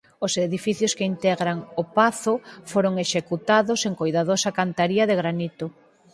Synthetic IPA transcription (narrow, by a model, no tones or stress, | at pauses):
ʊseðifiθjʊskeint̪ɛɣɾaŋʊpaθʊfoɾoŋeʃekut̪aðoseŋkojðaðosɐkant̪aɾiɐðeɣɾanit̪ʊ